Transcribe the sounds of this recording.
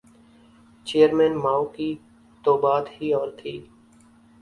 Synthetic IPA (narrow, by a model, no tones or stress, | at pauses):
t͡ʃeːəɾmɛ̃ːnmaːoki | t̪oːbaːd̪hiɔːɾt̪ʰiː